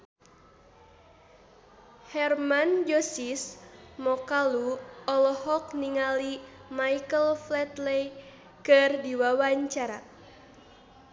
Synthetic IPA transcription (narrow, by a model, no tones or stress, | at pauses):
hɛrmand͡ʒɔsismɔkaluɔlɔhɔk̚niŋalimaikəlflɛt̪lej | kɨrdiwawaɲt͡ʃaɾa̰